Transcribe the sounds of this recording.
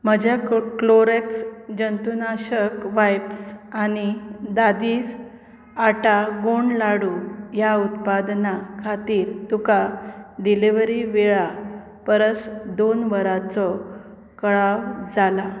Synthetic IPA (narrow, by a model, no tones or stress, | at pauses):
m̤əd͡ʑjakloɾeksd͡ʑənt̪unaɕəkʋajpsañid̪ad̪iːs | aʈaɡoɳlaɽujaut̪pad̪nakʰat̪iːɾt̪ukaɖiliʋəɾiʋeɭa | pəɾəsd̪onʋəɾat͡sɔ | kəɭaʋd͡zala